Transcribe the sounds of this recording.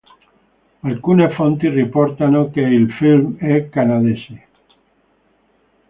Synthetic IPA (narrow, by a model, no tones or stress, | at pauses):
alkunefont̪irepoɾt̪anokeːlfilmekanaðesi